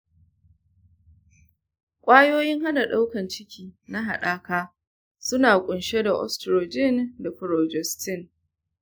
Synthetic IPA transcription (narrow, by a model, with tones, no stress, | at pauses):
kʷʼaː˦joː˦jɪ˦ŋha˦da˨ɗa˦wkɐ˨nt͡ʃɪ˦kʲʰiː˨na˦ɦa˨ɗaː˦kaː˦ | sʊ˦naː˨kʷʼʊ˨nʃe˦da˨ʔɔ̰˦stɾoː˨d͡ʒɪ˦nda˨kʊ˨ɾoː˨d͡ʒɛ˨stɪ˦˨ŋ